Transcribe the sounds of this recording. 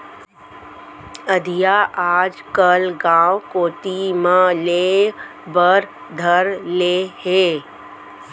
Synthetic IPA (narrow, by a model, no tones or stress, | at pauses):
əd̪ʱijaʔaːd͡ʒkəlɡãːwkoːt̪imãleː | bəɾ | d̪ʱəɾleːɦeː